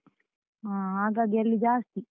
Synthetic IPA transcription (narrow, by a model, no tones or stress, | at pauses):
aːɦaːɡaːɡiɐlːid͡ʒaːst̪i